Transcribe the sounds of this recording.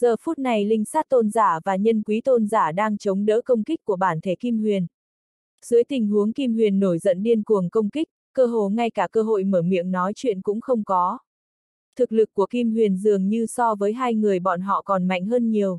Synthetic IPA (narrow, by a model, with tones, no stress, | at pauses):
zəː˨˩fu˦˥t̚na˨˩jlï˧ŋ̟saː˦˥t̚t̪o˧nzaː˧˩vaː˨˩ɲə˧nkwi˨˦t̪o˧nzaː˧˩ɗaː˧ŋt͡ɕə˨˦wŋ͡mɗə̰ː˧˥kə˧wŋ͡mki˦˥k̟̚kːu˧˩əɓaː˧˩nt̪ʰe˧˩ki˧mhwi˨˩ən | z̥ɨ˨˦əjt̪ï˨˩ŋ̟ɦu˨˦əŋki˧mhwi˨˩ənːo˧˩jzə̰˧˨nɗi˧ənku˨˩əŋkə˧wŋ͡mki˦˥k̚kəː˧ɦo̰˧˨ŋa˧jkaː˧˩kəː˧ɦo̰˧˨jməː˧˩mḭ˧˨əmnɔ˨˦jt͡ɕwḭ˧˨ənkʊ̰˧˥ŋ͡mxə˧wŋ͡mkɔ˨˦ | t̪ʰɨ˨˩k̚lɨ˨˩k̚ːu˧˩əki˧mhwi˨˩ənzɨ˨˩əŋɲɨ˧sɔ˧vəː˨˦jɦaː˧jŋɨ˨˩əjɓɔ̰˧˨nɦɔ̰˧˨kɔ˨˩nma̰˧˨ŋ̟ɦəː˧nɲi˨˩əw